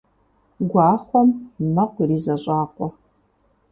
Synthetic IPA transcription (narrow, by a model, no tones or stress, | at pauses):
ɡʷɑːχʷɔmmɐqʷiriːzɐɕʼaːqʷɔ